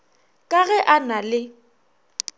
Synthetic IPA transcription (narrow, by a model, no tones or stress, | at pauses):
kʼaɣɛʔanalɪ